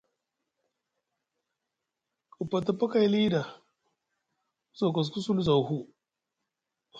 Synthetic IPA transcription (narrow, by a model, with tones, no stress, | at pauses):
ku˨pːa˨ta˨pa˦ka˦˨jli˦da˨ | zo˨ka˨s̬ku˦su˦lza˨wɦu˦